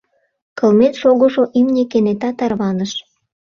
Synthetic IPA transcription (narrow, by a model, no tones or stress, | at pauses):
kɤlmet̪ʃoɣoʃoʔimnʲekenet̪ɑt̪ɑrβɑnəʃ